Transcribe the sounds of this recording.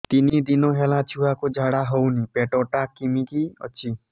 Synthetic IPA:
t̪inid̪inɔɦelat͡ʃʰuwakud͡ʒʱaɽaɦownipeʈɔʈakimikiɔ̰t͡ʃʰi

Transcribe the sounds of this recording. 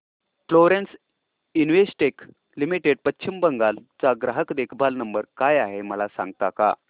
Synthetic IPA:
floɾens | inʋesʈek | limiʈeɖ̚pətːɕʰimbəŋɡalt͡saɡɾaɦəkd̪ekʰbʱalnəmbəɾkajaɦeməlasã̰ŋɡ̚t̪aka̰

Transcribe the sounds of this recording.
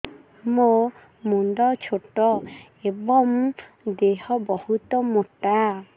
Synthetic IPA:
mo | munɖɔt͡ʃʰoʈɔ | ebɔm | d̪eɦɔbɔhut̪ɔmoʈa

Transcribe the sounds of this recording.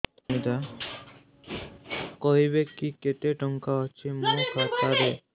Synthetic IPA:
mid̪a | koɦibekːiket̪eʈɔŋkaɔt͡ʃʰimõkʰat̪aɾe

